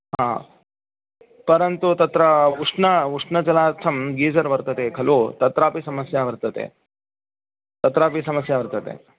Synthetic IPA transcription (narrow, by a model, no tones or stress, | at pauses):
ɦaː | pɐɾɐnt̪ut̪ɐt̪ɾɐuʂɳɐuʂɳɐt͡ʃɐlaːɾt̪ʰɐmɡiːd͡ʒɐɾʋɐɾt̪ɐt̪ekʰɐloːt̪ɐt̪ɾaːpisɐmɐsjaʋɐɾt̪ɐt̪ḛ | t̪ɐt̪ɾaːpisɐmɐsjaːʋɐɾt̪ɐt̪ḛ